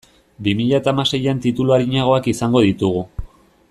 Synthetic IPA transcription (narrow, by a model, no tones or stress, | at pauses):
bimiʎat̪aːmase̞jant̪it̪uluaɾiɲaɣ̞o̞akisaŋɡo̞ð̞it̪uɣ̞u